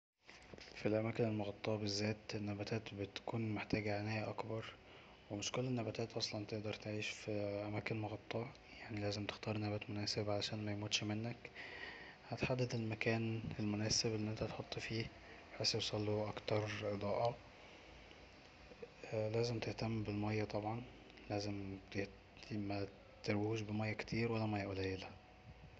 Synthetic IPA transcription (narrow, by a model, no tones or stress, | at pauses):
filʔæmæːkenelmoɣɑt̪ˤːɑːʕbezːæːt̪enːæbæt̪æːt̪bet̪æ̥kuːnmeħt̪æːɡæʕenæːhæʔɑkbɑɾˤ | wemeʃkolːenːæbæt̪æːt̪ʔɑsˤlɑnt̪eʔd̪ɑɾˤt̪eʕiːʃfiʔæmæːkenmoɣɑt̪ˤːɑːʕ | jaʕnilæːzemt̪e̥xt̪ɑːɾˤnæbæt̪monæːsebʕalæʃæːnmæjmuːt̪ʃmenːæk | hæt̪ħad̪ːæd̪elmækæːnelmʊnæːsebelːiʔent̪æt̪ħot̪ˤːfiː | bħesːewsˤɑlːuʔɑkt̪ɑɾˤʔed̪ˤɑːʔɑ | læːzemt̪eht̪æmːbelmɑjːæt̪ˤɑbʕɑn | læːzemt̪eh | mæ | t̪eɾwhuːʃbemɑjːækt̪ʰiːɾwælːæmɑjːæʔolæjelæ